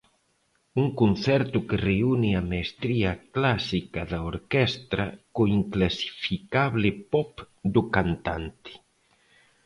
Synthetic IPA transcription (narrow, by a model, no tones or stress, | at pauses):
uŋkunθɛɾt̪ʊkereuniamaest̪ɾiaklasikaðaoɾkɛst̪ɾakoiŋklasi̥fikaβlɪpɔp | d̪ukant̪ant̪ɪ̥